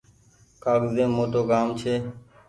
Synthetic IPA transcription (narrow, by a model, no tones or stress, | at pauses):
kaːɡzẽːmõːt̪oːɡaːmt͡ʃʰeː